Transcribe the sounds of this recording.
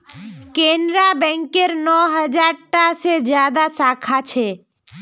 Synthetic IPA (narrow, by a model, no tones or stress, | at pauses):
kenɾabɛ̃ŋkeɾnɔɦəd͡ʒaɾʈased͡ʒjaːd̪asaːkʰat͡ʃʰe